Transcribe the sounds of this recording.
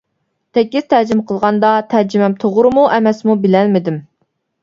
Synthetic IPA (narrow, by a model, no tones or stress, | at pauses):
t̪ʰɛkʲːiz̥t̪ʰæd͡ʒɪmqʰəlˠʁɑnd̪ɑt̪ʰæd͡ʒimɛmt̪ʰoʁʊɾɨmuʔɛmɛsmubɪlɛlmɪd̪ɪm